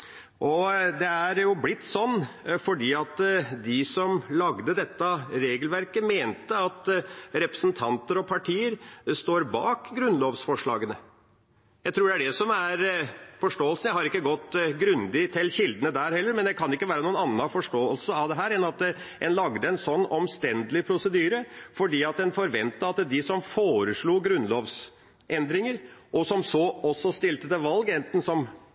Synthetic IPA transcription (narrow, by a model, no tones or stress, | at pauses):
ʔɔd̪ɛæɾjʊblɪt̪ːsɔnːfɔɖiːɑt̪d̪ɪsɔmlɑɡd̪əd̪ɛt̪ːɑɾeːɡəlʋæɾkəmeːnt̪əɑt̪ɾɛpɾə̥sn̩t̪ʰɑnt̪əɾɔpʰɑʈʰiːəɾst̪oːɾbɑ̰ːkɡɾʉnloːʋsfɔʂɭɑ̰ːɡənə | jæɪt̪ʰɾuːɖɛæɖɛsɔmæɾfɔʂʈoːəlsn̩jæɪhɑɾɪkːəɡɔt̪ːɡɾʉnd̪ɪt̪ʰɪlçɪld̪ənəd̪æɾhɛlːəɾmɛnd̪ɛkʰɑnɪkːəʋæːɾənuːənɑnːɑfɔʂʈoːəlsəɑʋd̪ɛɦæːɾɛnɑt̪ | ɛnlɑɡd̪əɛnsɔnːɔmst̪ɛnd̪əlɪpʰɾʊsəd̪yːɾəfɔɖiːɑt̪ɛnfɔɾʋɛnt̪əɑt̪d̪ɪsɔmfoːɾəʂɭuːɡɾʉnloːʋs | ʔɛnd̪ɾɪŋəɾʔɔsɔmsɔɔsːɔst̪ɪlt̪əd̪əʋɑlɡɛnt̪n̩sɔm